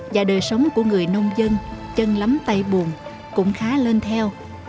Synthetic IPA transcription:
vaː˨˩ɗəː˨˩jsə˨˦wŋ͡mku˧˩əŋɨ˨˩əjnə˧wŋ͡mzə˧nt͡ɕə˧nla˨˦mt̪a˧jɓu˨˩ən | kʊ̰˧˥ŋ͡mxaː˨˦le˧nt̪ʰɛ˧w

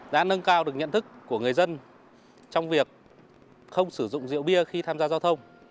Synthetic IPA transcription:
ɗa̰ː˧˥nə˧nkaː˧wɗɨ˨˩ək̚ɲə̰˧˨nt̪ʰɨ˦˥kːu˧˩əŋɨ˨˩əjzə˧n | t͡ɕɔ˧wŋ͡mvi˨˩ək̚ | xə˧wŋ͡msɨ˧˩zʊ̰˧˨ŋ͡mzḭ˧˨wɓi˧əxi˧t̪ʰaː˧mzaː˧zaː˧wt̪ʰə˧wŋ͡m

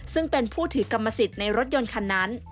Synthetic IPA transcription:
sɯ˥˩ŋpe˧npʰuː˥˩t̪ʰɯː˩˦ka˧mːa˧si˨˩t̪̚na˧jɾo˦˥t̪̚jo˧nkʰa˧nːaː˦˥n

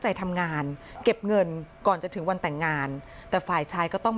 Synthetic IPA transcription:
t͡ɕa˧jt̪ʰa˧mŋaː˧nke˨˩p̚ŋɤ˧nkɔː˨˩nt͡ɕa˨˩t̪ʰɯ˩˦ŋwa˧nt̪ɛː˨˩ŋːaː˧nt̪ɛː˨˩faː˨˩jt͡ɕʰaː˧jkɔː˥˩t̪ɔ˥˩ŋm

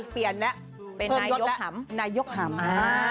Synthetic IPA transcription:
pi˨˩ənlɛ˦˥ʔ | pe˧pʰɤː˧na˧jo˦˥˦lɛ˦˥a˩˦mnaː˧jo˦˥k̚ɦa˩˦ma˧a˧

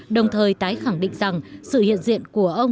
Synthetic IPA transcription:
ɗə˨˩wŋ͡mt̪ʰəː˨˩jt̪aː˨˦jxa˧˩ŋɗḭ̈˧˨ŋ̟za˨˩ŋsɨ̰˧˨hḭ˧˨ənzḭ˧˨ənku˧˩əʔə˧wŋ͡m

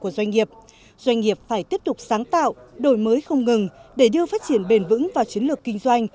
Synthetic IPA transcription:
ku˧˩əzwa˧jŋ̟ŋi˨˩əp̚ | z̥wa˧jŋ̟ŋi˨˩əp̚faː˧˩jt̪i˦˥əp̚t̪ʊ˨˩k͡p̚saː˨˦ŋt̪a̰ː˧˨wʔɗo˧˩jməː˨˦jxə˧wŋ͡mŋɨ˨˩ŋɗe˧˩ɗɨ˧əfaː˦˥t̚t͡ɕi˧˩ənɓe˨˩nvɨ̰˧˥ŋvaː˨˩wt͡ɕi˨˦ənlɨ˨˩əkːï˧ŋ̟zwa˧jŋ̟

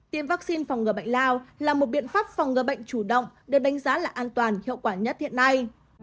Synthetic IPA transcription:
t̪i˨˦əmva˦˥k̚si˧nfa˨˩wŋ͡mŋɨ˨˩əɓə̰˧˨jŋ̟laː˧wlaː˨˩mo˨˩t̚ɓḭ˧˨ənfaː˦˥p̚fa˨˩wŋ͡mŋɨ˨˩əɓə̰˧˨jŋ̟t͡ɕu˧˩ɗə̰˧˨wŋ͡mɗɨ˨˩ək̚ɗa˨˦ŋ̟zaː˨˦laː˨˩ʔaː˧nt̪waː˨˩nhḭ˧˨əwkwaː˧˩ɲə˦˥t̚hḭ˧˨ənːa˧j

